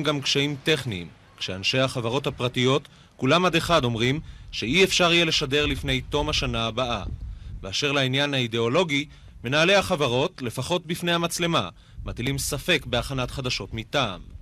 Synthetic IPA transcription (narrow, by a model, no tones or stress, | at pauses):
mɡamkʃaimte̞χnḭːm | kʃeanʃe̞jhaχavaʁo̞thapʁatijo̞t | kulamad̪e̞χado̞mʁimʃeʔiefʃaʁijele̞ʃade̞ʁlifne̞jto̞maʃanaːbaʔa̰veaʃe̞ʁlainjanhaide̞o̞lo̞ɡi | me̞naːle̞aχavaʁo̞tle̞faχo̞t̚bifnehamat͡sle̞ma | mat̪ilimsafe̞kbe̞aχanat̪χad̪aʃo̞tmita̰ːm